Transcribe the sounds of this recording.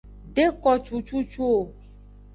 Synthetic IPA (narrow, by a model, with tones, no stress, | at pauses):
ɖe˦kɔ˨t͡ʃu˦t͡ʃu˦t͡ʃu˦o˨